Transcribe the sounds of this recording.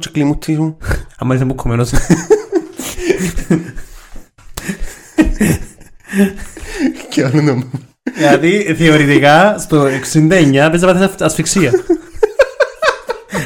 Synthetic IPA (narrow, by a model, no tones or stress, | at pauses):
t͡ʃe̥klimut̪ʰːizmuɐmːɐɾis̬embukʰːomenos | kʰeolunom | lɐðiθeoɾit̪ikast̪oekssind̪eɲːɐpesiɐɐθesɐsfiksiɐ